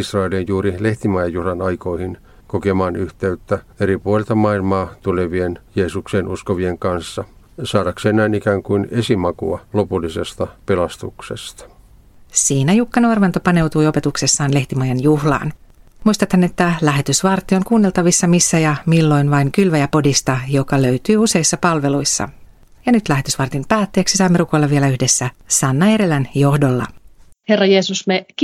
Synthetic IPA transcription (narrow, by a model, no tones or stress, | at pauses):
isrɑelinjuːɾileht̪imɑjɑjuhlɑnɑjkoihin | kokemɑːnyht̪eyt̪ːæ | eɾipuolelt̪ɑmɑilmɑːt̪uleʋienjeːsukseːnʔuskoʋieŋkɑnsːɑ | sɑːdɑkseːnnæinikæːŋkuinesimɑkṵɑlo̞pulːisest̪ɑpelɑst̪uksest̪ɑ̥ | siːnæjukːɑnorʋɑnt̪opɑne̞wt̪ujo̞pe̞t̪ukse̞sːɑːnle̞ht̪imɑjɑnjuhlɑ̰ːn | mujst̪ɑt̪hænːe̞t̪ːælæɦe̞t̪ysʋɑrt̪ːioŋkuːnːe̞lt̪ɑʋisːɑmisːæjɑmilːo̞jnʋɑiŋkylʋæjæpo̞dist̪ɑjo̞kɑløɥt̪yːuse̞jisːɑpɑlʋe̞lujsːɑ̰ | jɑnyt̪læɦe̞t̪ysʋɑrt̪impæːt̪ːe̞ːksisɑːmːe̞ɾuko̞jlːɑʋie̞læyhde̞sːæsɑnːɑe̞ɾe̞lænjo̞hdo̞lːɑ̰herːɑjeːsusmek